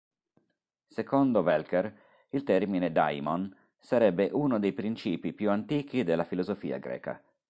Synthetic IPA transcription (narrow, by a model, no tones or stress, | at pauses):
sekond̪ovɛlkɛr | ilt̪ɛrmined̪a̰jmɔn | saɾɛbːeʔunod̪ejpɾint͡ʃiːpipjuant̪iːk̟id̪elːafilozofḭːa̰ɡɾɛ̰ːka̰